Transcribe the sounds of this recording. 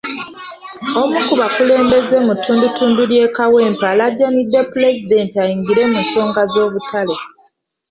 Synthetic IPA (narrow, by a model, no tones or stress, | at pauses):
o̞mukuβakule̞ːmbe̞zemutːuːndutːuːndulje̞ːkaweːmpaladanidːepule̞zide̞ːntiajiːŋɡiɾe̞munso̞ːŋɡazo̞ːβutʰale